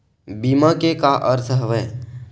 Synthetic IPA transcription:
biːmakekaʔəɾt̪ʰɦəʋəː

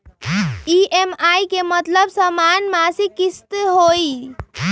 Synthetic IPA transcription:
iʔemaikemət̪ləbsəmanmasikist̪ɦoi

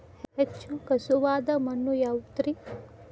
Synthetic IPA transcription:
hɛt͡ʃʰukɐsuʋaːd̪ɐmɐnːujawt̪ɾi

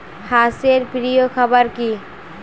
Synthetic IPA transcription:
haseɾpɾijokʰɐbəɾki

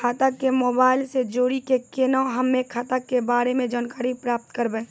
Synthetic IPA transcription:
kʰaːt̪akːemoːbaːɪlsed͡ʒoːɾikekeːnaɦɐmːẽkʰaːt̪akːebaːɾemẽd͡ʒaːnkaːɾipɾaːp̚t̪kəɾbẽː

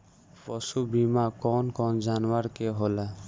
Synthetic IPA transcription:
pɔsubimakɔnkɔnzanwaɹkeɦɔla

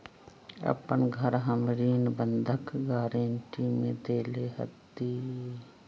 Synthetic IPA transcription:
ə̰pənɡʱəɾɦəmɾiːnbə̃nd̪ʱəkɡaːɾeːnʈiːmẽd̪eːleɦə̰t̪ːiː

